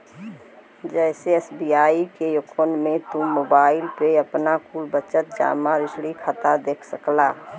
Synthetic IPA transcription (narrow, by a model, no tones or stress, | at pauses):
d͡ʒɛːseɛsbiaikejokʰonmẽt̪ũmoːbaːɪlpɾeəpnakulbət͡ʃət̪̚d͡ʒa̰ːmaɾɪsɽikʰat̪ad̪eːkʰsəklaː